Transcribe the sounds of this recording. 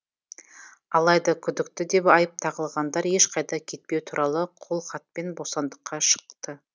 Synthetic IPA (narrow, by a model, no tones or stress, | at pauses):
ɑlˠɑjd̪ɑkʲʰʏd̪ɪkt̪ɪd̪e̞pɑjəp̚t̪ʰɑʁəlˠʁɑnd̪ɑɾe̞ʃqʰɑjd̪ɑkʲʰe̞t̪̚pewt̪ʰuɾʔɑlˠəqʰolˠχɑt̪̚pe̞nbo̞sɑnd̪əqːɑʃə̥q̚t̪ə